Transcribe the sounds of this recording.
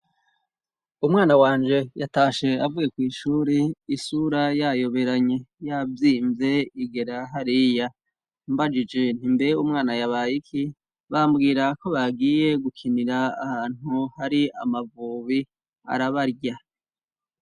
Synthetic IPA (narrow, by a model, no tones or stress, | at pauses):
umŋaːnawaːnd͡ʒe̞jataːʃe̞avuɡe̞kwiːʃuːɾeisuːɾajajo̞βe̞ɾaɲe̞javjiːmze̞iɡe̞ɾaɦaɾija | mbad͡ʒid͡ʒe̞n̥imbeɾeumŋaːnajaβajikʰi | βambɡiːɾako̞βaɡiːje̞ɡukʰiniɾaːhaːn̥uhaɾiamavuːβi | a̰ɾaβaɾɟa